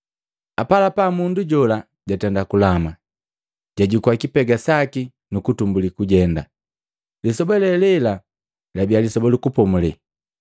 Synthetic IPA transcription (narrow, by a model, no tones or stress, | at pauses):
apalapamunduɟɔla | ɟatɛndakulama | ɟ̥aɟikwakipɛɡasaki | nukutumbulikuɟɛnda̰ | lisɔbɔlɛlɛla | labialisɔbɔlukupɔmulɛ